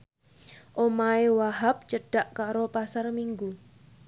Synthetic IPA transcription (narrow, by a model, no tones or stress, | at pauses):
ʔomaewaɦap̚t͡ʃəɖ̥a̤ʔkaɾopasarmiŋɡu